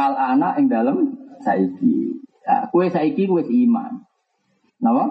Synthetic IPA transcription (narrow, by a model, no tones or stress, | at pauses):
alanaʔɪŋdaləmsa̰ikḭa̰kuwesaikikuwesima̰n | nawɔ